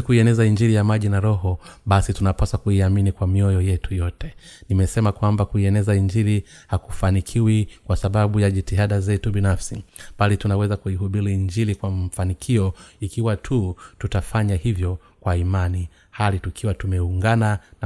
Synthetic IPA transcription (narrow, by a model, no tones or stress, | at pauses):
kuiɛnɛzaiɲd͡ʒilijamaʄinaɾɔɦɔɓasitunapasakuiaminikwamiɔjɔjɛtujɔtɛnimɛsɛmakwambakuiɛnɛzaiɲd͡ʒiɾi | hakufanikʰiwikwasaɓaɓujaʄitiɦaɗazɛtuɓinafsiɓalitunawɛzakuihuɓiɾiiɲd͡ʒiɾikwamfanikʰiɔikiwatʰututafaɲahivjɔ | kwaimani | halitukʰiwatumɛuŋɡanan